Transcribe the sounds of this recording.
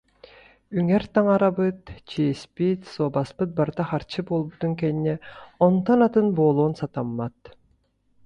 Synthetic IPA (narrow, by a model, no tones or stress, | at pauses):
yŋɛɾt̪aŋaɾabɯt̪t͡ɕiɛspit̪sɔːbaspɯt̪̚baɾt̪aχaɾt͡ɕɯboːlˠbut̪uŋkɛniːɛɔnt̪ɔnat̪ɯnboːlˠoːnsat̪amːat̪